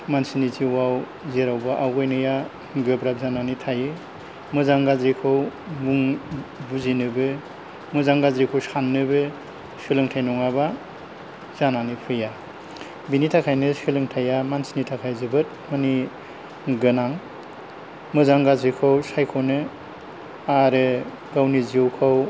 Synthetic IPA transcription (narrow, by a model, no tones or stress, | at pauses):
mansinitʰiwaw | zeɾawbaʔawɡɯjnɯja | ɡɯbɾap̚zananitʰajɯ | mɯzaŋɡazɾikʰɯwmuŋbuzinɯbɯ | mɯzaŋɡazɾikʰɯwsanːɯbɯ | sɯlɯŋtʰajnɔŋaba | z̥ananipʰɯja | binitʰakʰajnɯsɯlɯŋtʰajamansinitʰakʰajzɯbɯt̚mɯni | ɡɯnaŋ | mɯzaŋɡazɾikʰɯwsajkʰɔwnɯ | aɾɯ | ɡawnizwkʰaw